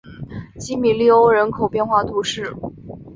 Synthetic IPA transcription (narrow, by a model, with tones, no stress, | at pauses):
t͡ɕi˥mi˨˩li˥˩o˥ʊɻə˧˥nkʰo˨˩ʊpjɛ˥˧nxwa˥˩t̪ʰu˧˥ʂɻ̩˥˩